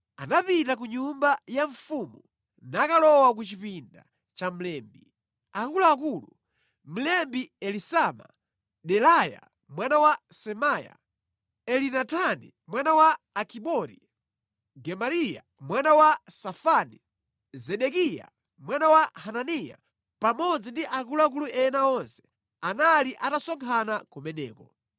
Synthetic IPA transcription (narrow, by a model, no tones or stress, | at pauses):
anapitak̬uɲumbajaɱfumu | nakalɔwak̬ut͡ʃipinda̰ | t͡ʃam̩lɛːmbi | akulaːkulṵ | m̩lɛmbiɛlisama̰ | ɗɛlaja̰ | mwanawasɛmaja̰ | ɛlinatʰanḭ | mwanawaːkʰiɓɔɾḭ | ɡɛmaɾija̰ | mwanawasafani | zɛɗɛkija̰ | mwanawahananija̰ | pamɔd͡zindiʔak̬uluak̬uluʔɛnaɔnsɛ̥ | analiʔatasɔŋkʰanakɔmɛnɛ̰ːkɔ